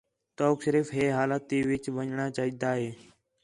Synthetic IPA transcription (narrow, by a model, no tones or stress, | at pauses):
t̪oːkʃəɾiːfɦeːɦaːlaːt̪iːʋɪt͡ʃʋəɲɳaːt͡ʃaːɦiːd̪aːɦeː